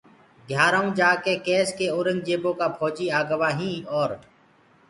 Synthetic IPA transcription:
ɡ̪ʱjaːɾaːũːd͡ʒaːkeːkeːskeːoːɾə̃ŋɡd͡ʒeːbõːkaːpʰoːd͡ʒiːaːɡəʋaːɦĩːɔːɾ

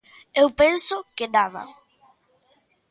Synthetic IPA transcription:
ewpensʊkɪnaðɐ̰

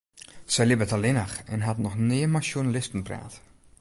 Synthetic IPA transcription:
sɛjlɪbətalɪnəxɛnɦatnɔxnɪːəmasjunalɪstn̩pra̰ːt

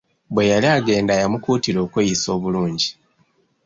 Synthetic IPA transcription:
bwe̞jaliaɡe̞ːndajamukuːtiɾo̞ːkwejiso̞ːβuluːɲɟi

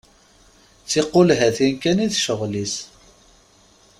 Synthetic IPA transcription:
t͡sːiqːʊlɦæθinkæniðʃəʁlis

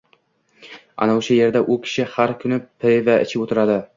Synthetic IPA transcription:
a̰naʃʰaje̞ɾd̪aʔʊkʲʰɪ̥ʃɪhaɾkʲʰʊnɪpʰɪvaʔɪ̰t͡ʃʰɪpot̪ʰɪɾad̪ɪ

